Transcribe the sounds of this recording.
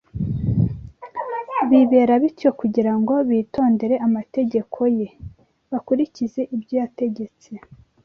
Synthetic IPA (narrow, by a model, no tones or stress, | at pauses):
βiβe̞ːɾaβitjo̞kuɟiɾaŋɡo̞βiːto̞ːnde̞ɾe̞ʔamate̞ɟe̞kʰo̞je̞ | βakuɾicize̞ʔibjoate̞ɟe̞t͡se